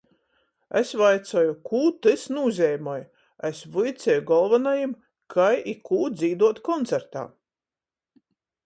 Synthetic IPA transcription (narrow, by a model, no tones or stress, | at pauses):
ḛsvajt̪sɔjukʰuːt̪ɨsnuːzʲɛjmɔj | esvujt̪sʲɛjuɡɔlˠvanajim | kʰajikʰuːd̪ziːd̪uɔt̪kɔnt̪sɛɾt̪a̰ː